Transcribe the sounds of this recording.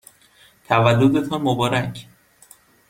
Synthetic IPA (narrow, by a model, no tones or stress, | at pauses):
t̪ʰævælːod̪et̪ʰɒnmobɒːɾæcʰ